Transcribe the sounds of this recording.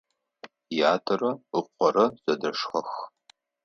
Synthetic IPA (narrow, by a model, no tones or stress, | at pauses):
jaːtʰɐrɐɨqʷɔɾɐz̥ɐdɐʂxɐx